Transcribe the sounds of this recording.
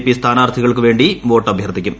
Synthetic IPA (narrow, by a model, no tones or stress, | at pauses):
pːist̪ʰaːnaːrt̪ʰiɣɐɭkɨʋe̞ːɳɖiʋo̞ːʈːɐbʱjɐrd̪ikʲːum